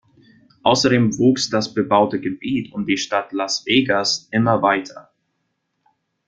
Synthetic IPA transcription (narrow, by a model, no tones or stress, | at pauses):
ʔaʊsɐdeːmvuːksd̥asb̥əbaʊtəɡəbiːtʰʊmdiːʃtatlasv̥eːɡasʔɪmɐvaɪtʰɐ